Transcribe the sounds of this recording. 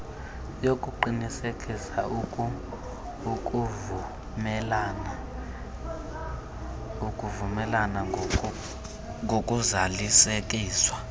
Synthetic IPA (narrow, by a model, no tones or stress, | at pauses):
jokʼuǃinisekʼisa | ukʼ | mɛln | ukʼuvumɛlana | ŋʱokʼuzalisek̬ʼiːswa